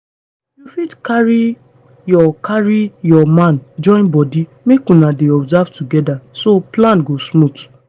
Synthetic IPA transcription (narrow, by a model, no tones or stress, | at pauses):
jufidkaɹi | jɔkaɹijɔmãnd͡ʒɔ̃j̃nbɔdi | mekũnãdeɔbzavtuɡɛdasoplãnɡosmũt